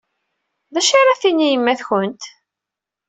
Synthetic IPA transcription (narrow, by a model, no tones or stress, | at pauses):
ðæʃiɾˤæθinijəmːæθçənt̪